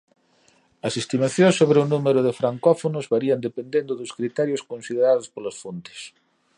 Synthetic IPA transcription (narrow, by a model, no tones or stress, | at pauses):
ɐsest̪imaθjõnsoβɾɪʊnumeɾʊðɪfɾaŋkɔfonʊzβaɾiɐnd̪epend̪end̪ʊðʊskɾit̪ɛɾjoskõnsið̞eɾaðʊspolɐsfont̪ɪ̥s